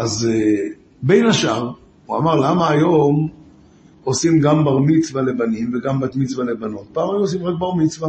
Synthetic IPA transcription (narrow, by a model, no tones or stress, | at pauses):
ʔaze | be̞jnaʃaʁ | ua̰maʁlamaːjo̞m | osimɡambaʁmit͡svalebanimveɡambat̪mit͡svalebano̞t̪̚paːmajomos̬imʁak̚baʁmit͡sva